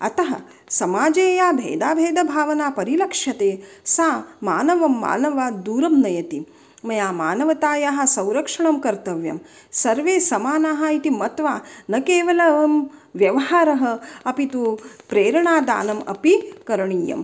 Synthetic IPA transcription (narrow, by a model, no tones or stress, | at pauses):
ɐ̰t̪ɐɦɐ̰ | sɐmaːd͡ʒeːjaːbʱḛːd̪aːbʱeːd̪ɐbʱaːʋɐnaːpɐɾilɐkʂjɐt̪eːsaːmaːnɐʋɐmːa̰ːnɐʋaːd̪uːɾɐmnɐjɐt̪i | mɐjaːmaːnɐʋɐt̪aːjaːɦɐ̆sɐ̃wɾɐkʂɐɳɐmkɐɾt̪ɐʋjɐ̰m | sɐɾʋeːsɐmaːnaːɦait̪imɐt̪ʋaːnɐkeːʋɐlɐʋɐmʋjɐʋɐɦaːɾɐɦɐɐpit̪upɾeːɾɐɳaːd̪a̰ːnɐmɐ̰pikɐɾɐɳiːjɐ̰m